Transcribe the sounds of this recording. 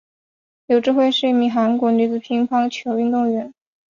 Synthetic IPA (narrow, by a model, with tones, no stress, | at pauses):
jo˧˩ʊʈ͡ʂɻ̩˥˧xwe˥˧ɪʂɻ̩˥˧i˥˩mi˧˥˩xa˧˥nkwɔ˧˥ny˧˥˩t͡sɹ̩˧˩pʰi˧˥ŋpʰɑ˥ŋt͡ɕʰjo˧˥ʊy˥˧nt̪ʊ˥˩ŋɥɛ˧˥n